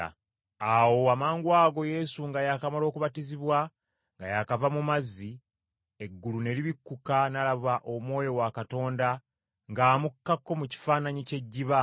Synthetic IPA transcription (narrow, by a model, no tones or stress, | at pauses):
awo̞amaːŋɡwaːɡo̞je̞suŋɡajakamalo̞ːkuβatiziβwa | ŋɡajakavamumazːi | e̞ɡːulune̞liβikːukanalaβaʔo̞mwo̞ːjo̞wakato̞ːnda | ŋɡaːmukːakːo̞muci̥faːnaɲice̞ɟːiβa